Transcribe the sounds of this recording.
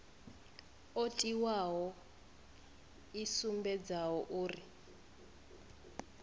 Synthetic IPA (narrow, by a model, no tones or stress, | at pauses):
otʼiwaɦɔ | isumbɛd͡zawɔʔuːri